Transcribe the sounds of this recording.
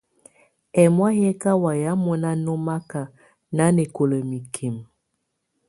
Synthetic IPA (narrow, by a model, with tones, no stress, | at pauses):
ɛ˨mwa˦ɦɛ˦ka˦wa˨ja˨˦mɔ˨na˦no˦ma˦ka˨ | na˦ne˨ko˨lə˨mi˨kʰi˨m